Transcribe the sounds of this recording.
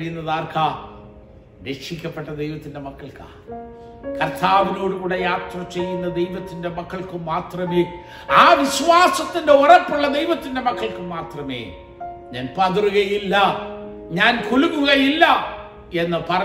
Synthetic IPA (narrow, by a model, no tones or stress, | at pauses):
ijunːɐðaːrkʰa | ɾe̞kʂikʲːɐpːe̞ʈːɐd̪ejʋɐt̪ːinde̞mɐkːɐɭka̰ː | kɐrt̪ʰaːʋino̞ːɽuɣuːɽejaːt̪rɐt͡ɕe̞jːunːɐd̪ejʋɐt̪ːinde̞mɐkːɐɭkɨmaːt̪rɐme | aːʋiɕʋaːsɐt̪ːinde̞urɐpːuɭːɐd̪e̞jʋɐt̪ːinde̞mɐkʰːɐɭkɨmaːt̪rɐmḛː | ɲaːnpɐðruɣɐjilːɐ | ɲaːnkuluɣuɣɐjilːɐ | e̞nːɨpɐrɐ